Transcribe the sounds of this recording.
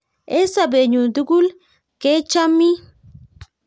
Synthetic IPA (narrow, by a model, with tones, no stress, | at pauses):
e˦sa˨be˨ɲu˨d̪u˦ɡu˦l | ke˦t͡ʃa˦mi˦